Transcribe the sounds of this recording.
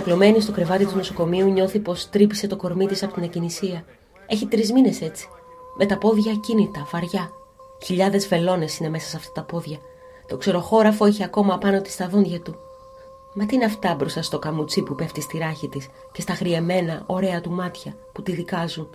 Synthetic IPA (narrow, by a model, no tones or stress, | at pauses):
t̪ɐklo̞me̞nist̪o̞kɾe̞vɐt̪it̪uno̞so̞ko̞miuɲo̞θipo̞st̪ɾipi̥se̞t̪o̞ko̞ɾmit̪isɐpot̪inɐɟinisiɐ | e̞çit̪ɾizmine̞se̞t͡si̥ | me̞t̪ɐpo̞ðʝɐcinit̪ɐvɐɾʝɐ | çiʎɐðe̞zve̞lo̞ne̞sine̞me̞sɐ̥sɐft̪ɐt̪ɐpo̞ðʝɐ | t̪o̞kse̞ɾo̞xo̞ɾɐfo̞eçiɐko̞mɐpɐno̞t̪i̥st̪ɐðo̞nʝɐt̪u | mɐt̪iineɐft̪ɐbɾo̞st̪ɐst̪o̞kɐmut͡sipupeft̪ist̪iɾɐçit̪is | ce̞st̪ɐxɾie̞me̞nɐʔo̞ɾe̞ɐt̪umɐt̪çɐ | put̪iðikɐzun